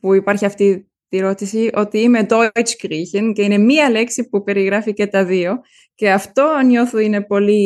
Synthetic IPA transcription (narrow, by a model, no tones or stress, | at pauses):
puipɐɾçiɐft̪i | t̪iɾo̞t̪isio̞t̪iime̞d̪o̞it͡ʃkɾiçinceine̞miɐle̞ksipupe̞ɾiɣɾɐfice̞t̪ɐðio̞ | ce̞ɐft̪o̞no̞θuine̞po̞li